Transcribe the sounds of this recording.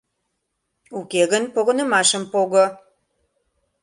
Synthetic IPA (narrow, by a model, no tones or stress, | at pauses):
ukeɣə̆npoɣŏnɤ̆mɑʃə̆mpoɣŏ